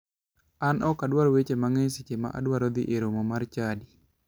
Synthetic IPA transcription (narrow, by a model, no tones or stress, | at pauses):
anʔɔkːadwaɾɔwet͡ʃemaŋeɲsit͡ʃema̰ʔa̰dwaɾɔd̪iʔeɾomɔmart͡ʃadi